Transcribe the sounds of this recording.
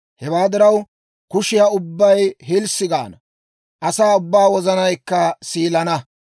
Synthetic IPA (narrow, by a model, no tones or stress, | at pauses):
hɛwaːd̪ɪɾɐw | kʊʃɪjaʊbːɐjɦɪlsɪɡa̰ːnɐ | ʔɐsaːʊbːaːwɔzɐnɐjkːɐsiːlɐnɐ